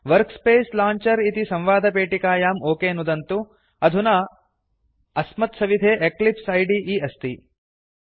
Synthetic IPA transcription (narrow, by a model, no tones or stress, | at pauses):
ʋɐɾkspeːslaːɲt͡ʃɐɾit̪isɐ̃mʋaːd̪ʱɐpeːʈikaːjaːmoːkeːnud̪ɐnt̪u | ɐd̪ʱunɐ | ɐsmɐt̪sɐʋid̪ʱeːʔeklipsɐjɖiʔiːɐst̪i